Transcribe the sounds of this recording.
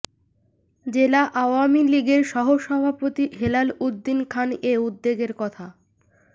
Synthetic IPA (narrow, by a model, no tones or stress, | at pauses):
d͡ʑelaʔaoamiliɡeɾʃɔɦoʃɔbʱapot̪iɦelalud̪ːinkʰaneud̪ːeɡeɾkɔt̪ʰa